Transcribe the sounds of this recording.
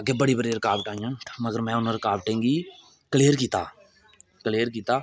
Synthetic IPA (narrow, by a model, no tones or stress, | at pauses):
ɡeːbəɽibəɽeːɾəkaːbʈaːĩjãːməɡəɾmɛ̃ːʊnõɾəkaːʋʈẽːŋɡiː | kəleːəɾkiːt̪a̰ː | kəleːɾkiːt̪aː